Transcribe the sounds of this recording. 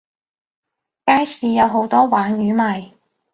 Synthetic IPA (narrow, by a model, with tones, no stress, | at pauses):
kaː˥jsiː˨˧jɐ˨˧wɦo˨˧˥wt̪ɔː˥waː˨˥njyː˨˧˥maː˨j